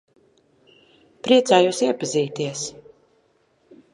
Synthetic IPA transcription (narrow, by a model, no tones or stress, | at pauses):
pɾiɛt̪sæːjusiɛpaziːt̪iɛs